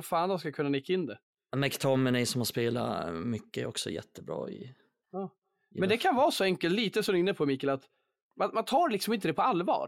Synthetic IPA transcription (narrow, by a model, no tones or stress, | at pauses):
faːnd̪ɔskakʰɵnːanɪkːaɪnːd̪ɛ | mɛkt̪ʰɔmːənɛsɔmhaspeːla̰mʏkːəɛ̰ɾɔ̰ksɔ̰jɛ̰t̪ːəbɾɑ̰ːɪ̰ | ɑː | mɛnd̪ɛkʰanvɑːsɔɛŋkəlt̪liːt̪əsɔmd̪ɵɪnːəpʰɔmiːkːəlat̪ | manmant̪ʰɑːɾɭɪksɔmɪnt̪əd̪ɛpʰɔalvɑ̰ːɾ